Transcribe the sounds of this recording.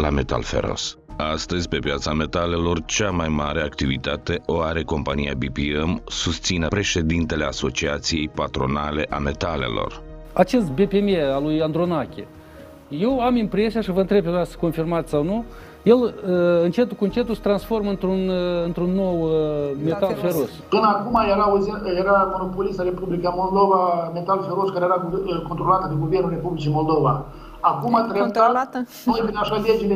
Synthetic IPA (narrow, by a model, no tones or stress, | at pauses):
lame̞t̪a̰lfḛɾo̞̰s | ast̪əzʲpe̞pjat̪same̞t̪ale̞lo̞rt͡ʃamajmaɾe̞akt̪ivit̪at̪e̞ʔoaɾe̞ko̞mpanija̰bipiemsust̪sinəpɾe̞ʃe̞d̪int̪e̞le̞aso̞t͡ʃiat̪sije̞jpat̪ɾo̞nale̞ʔame̞t̪ale̞̰lo̞̰r | at͡ʃe̞st̪̚be̞pemealujand̪ɾonakʲḛ | je̞wamimpɾe̞sijaʃivəɨnt̪ɾe̞bpemasə̥ko̞nfirmat̪sʲsawnu | je̞ləɨnt͡ʃe̞t̪kuɨnt͡ʃe̞t̪usə̥t̪ɾansfo̞rmɨnt̪ɾunɨnt̪ɾunːo̞wme̞t̪alfeɾospɨnəakumajeɾauzijeɾamo̞no̞polist̪aɾe̞publikamo̞ld̪o̞vame̞t̪alfe̞ɾoskaɾejeɾaɡkont̪ɾo̞lat̪əd̪eɡuvernulre̞publit͡ʃijmo̞lˠd̪o̞va | akumat̪ɾeat̪numabineaʃaled͡ʒile